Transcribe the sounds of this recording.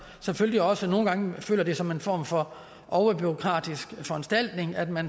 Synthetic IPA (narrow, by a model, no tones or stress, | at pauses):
seføl̰liɒ̽səno̝ːn̩ɡ̥ɑ̈ŋəfø̰ːlɐd̥e̝sɒ̽me̝nfɒ̰ːmfɒ̽ | ʔɒʊɐb̥yʁo̝kʰʁɑ̰̈ːd̥isɡ̥fɒ̽ænsd̥æl̰d̥ne̝ŋæd̥mæn